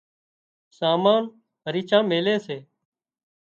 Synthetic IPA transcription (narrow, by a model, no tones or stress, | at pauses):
saːmaːn | əɾiːt͡ʃʰãːmeːleːseː